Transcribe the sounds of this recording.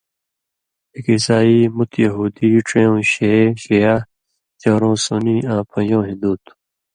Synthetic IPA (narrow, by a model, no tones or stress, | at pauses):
ikisaːiːmut̪jɐɦuːd̪iʈ͡ʂẽːõːɕeɕeja | t͡ɕaːɾõːsoniãːpʰɐ̃jõːɦid̪uːt̪